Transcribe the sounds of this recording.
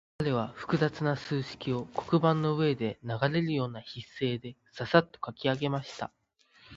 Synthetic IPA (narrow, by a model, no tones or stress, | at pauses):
kaɾe̞β̞aɸɯ̥kɯ̟zat͡sɨnasɨːɕi̥kʲio̞ko̞̥kɯ̟bãnːo̞ɯ̟e̞d̪e̞naɡaɾe̞ɾɯ̟jo̞ːnaçisːe̞ːd̪e̞ | sasat̪ːo̞̥kakʲiaɡe̞maɕi̥t̪a̰